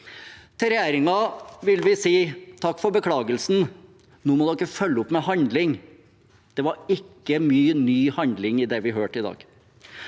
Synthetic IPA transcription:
t̪ʰɪɾɛjeːɾɪŋɑʋɪlʋɪsiːt̪ʰɑkːfɔɾbəkʰlɑːɡəlsn̩ | nuːmɔd̪ɛɪkːəfœlːəʊpmɛhɑnd̪lɪŋ | d̪̥ɛʋɑɾɪkːəmyːnyːhɑnd̪lɪŋɪd̪ɛʋɪɦøːʈɪd̪ɑ̰ːɡ̥

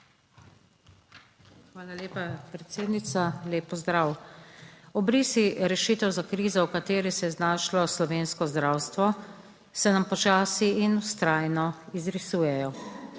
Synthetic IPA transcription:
xʋaːlaleːpapɾɛt̪seːd̪nit̪saleːpːɔzd̪ɾaw | ɔbɾiːsiɾɛʃiːt̪ɛwzakɾiːzɔwkat̪eːɾisɛjɛznaːʃlɔslɔʋeːnskɔzd̪ɾaːwst̪ʋɔ | sɛnampɔt͡ʃaːsiːnust̪ɾaːjnɔizɾisuːjɛjɔ

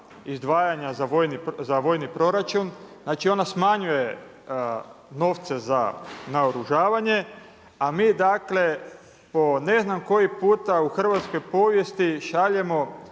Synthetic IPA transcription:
izd̪ʋaːjaɲazaʋojnizaʋo̞ːjnipɾo̞ɾat͡ʃunznaːt͡ʃio̞nasmaɲuje̞ | no̞ʋt̪se̞za̰naoɾuʒaːʋaɲe̞ | amiːd̪akle̞ | po̞ne̞znamko̞jipuːt̪auxr̩ʋat̪sko̞jpo̞ːʋje̞st̪iʃaʎe̞mo̞

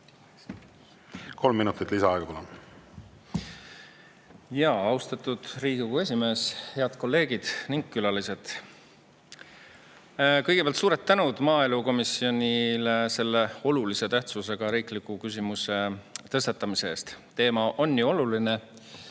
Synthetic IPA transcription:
kʰo̞lmːinut̪ːˑit̪ːˑlisɑɑeɡɑpulum | jɑɑwst̪ɑt̪ˑud̪̥riːɡ̥iɡue̞s̬ʲime̞ːshe̞ɑd̪̥ko̞lːe̞ːɡid̪̥niŋɡ̥̚kylɑlise̞t̪ | kɤjɡ̥epeɑlt̪suːɾet̪ːænud̪̥mɑːe̞luko̞misio̞nʲilese̞lːe̞o̞lulise̞t̪æht̪sus̬e̞ɡ̥ɑɾiːklikˑːukys̬ʲimuse̞t̪ɤst̪ɑt̪ːˑɑmise̞eːst̪t̪ːe̞ːmɑʔo̞nːuo̞luline̞

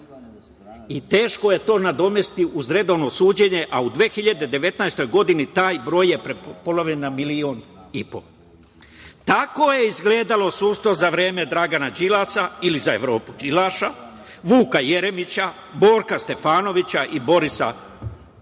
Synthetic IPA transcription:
it̪e̞ːʃkoje̞t̪o̞ːnad̪o̞me̞st̪iʔuzɾe̞d̪o̞ʋno̞suːd͡ʑe̞ɲe̞ʔaud̪ʋe̞ːxiʎad̪e̞d̪e̞ʋe̞t̪najst̪o̞jɡo̞d̪init̪aːjbɾo̞ːjːe̞pɾepo̞laʋʎenːamilio̞nipo̞̰ | t̪ako̞je̞izɡle̞ːd̪alo̞suːst̪ozaʋɾeːme̞d̪ɾaɡanad͡ʒilasailizae̞̰ʋɾo̞ːpud͡ʒilaʃa | ʋuːkaje̞ɾe̞mit͡ɕa | bo̞ːɾkast̪e̞faːno̞ʋit͡ɕaʔibo̞ɾisa̰

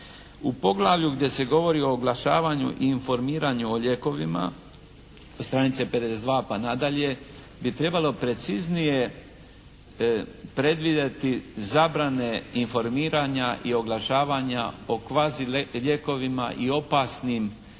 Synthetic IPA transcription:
upo̞ɡlˠaʋʎuɡd̪je̞se̞ɡo̞ʋo̞ɾio̞ːɡlˠaʃa̰ːʋaɲṵʔiːnfo̞ɾmiːɾaɲuoʎe̞ko̞ʋḭma̰ | st̪ɾanit̪sepe̞d̪esed̪ʋaːpanad̪aʎe̞ | bit̪ɾe̞balo̞pɾe̞t̪siznije̞ | pɾe̞d̪ʋid̪et̪izabɾane̞info̞ɾmiːɾaɲaʔio̞ɡlˠaʃaːʋaɲao̞kʋaːziʎe̞ko̞ʋima̰ʔio̞pasnim

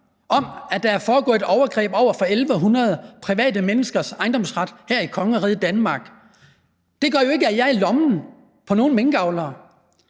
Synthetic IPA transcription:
ʔɒ̽m̰æd̥æ̈æɐfɒːɡ̥ɔ̰̽ːe̝d̥ɒʊɐɡ̥ʁɛ̰ːb̥ɒʊ̰ɐfɒ̽elʋəɦunʁɐð̞ˠpʰʁiʋɛ̰ːd̥əmenəsɡ̥ɐsɑ̈ɪnd̥ɒ̽msʁɑ̈d̥hæɐ̰ikʰɒ̽ŋəɒʁiðˠd̥ænmɑ̈ːɡ̥ | d̥e̝ɡ̥ɶɐjo̝e̝ɡ̥əæjɑ̈ɪɐlɒ̽mn̩ | pʰɒ̽no̝ːn̩meŋɡ̥ɑ̈ʊlɐː

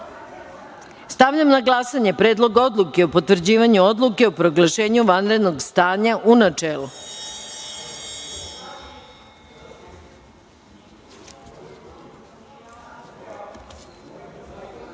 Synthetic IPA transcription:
st̪aʋʎamnaɡlˠasaɲe̞pɾeːd̪lˠo̞ɡo̞d̪lˠuke̞opo̞t̪ʋr̩d͡ʑiːʋaɲuo̞d̪lˠuke̞opɾo̞ɡlˠaʃe̞ːɲuʋanɾe̞d̪no̞ɡst̪aːɲaʔunat͡ʂeːlu

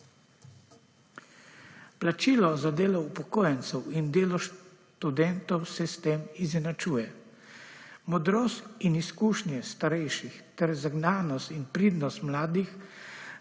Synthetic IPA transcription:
plat͡ʃiːlɔzad̪eːlɔupɔkoːjɛnt̪sɛwind̪eːlɔʃ | t̪ud̪ɛnt̪ɔwsɛst̪eːmizɛnat͡ʃuːjɛ | mɔd̪ɾoːst̪iniskuːʃnjɛst̪aɾɛjʃixt̪ɛɾzaɡnaːnɔst̪inpɾiːd̪nɔst̪mlaːd̪ix

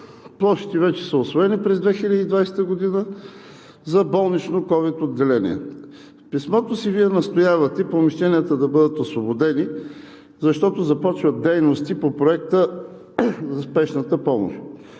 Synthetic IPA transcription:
plˠɔʃi̥t̪ɛvɛt͡ʃɛ̥səosvoɛnipɾɛzd̪vɛxilʲəd̪iːd̪vajsɛ̥t̪əɡod̪inə | zɐbɔlˠnit͡ʃnokɔvit̪od̪ːɛlɛnʲḭɛ̰ | pismɔt̪osiviɛnɐst̪ojavɐt̪ɛipɾomiʃt̪ɛniət̪əd̪ɐbɤd̪ət̪osvobod̪ɛni | zɐʃt̪ɔt̪ozɐpɔt͡ʃvəd̪ɛjnost̪ipopɾoɛk̚t̪ə | zɐspɛʃnət̪əpɔmo̰ʃ

